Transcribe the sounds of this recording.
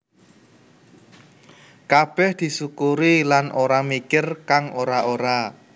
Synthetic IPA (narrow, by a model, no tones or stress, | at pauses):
kab̥ɛhd̪̥i̤sukuɾilanʔoɾamikɪrkaŋoɾaʔoɾa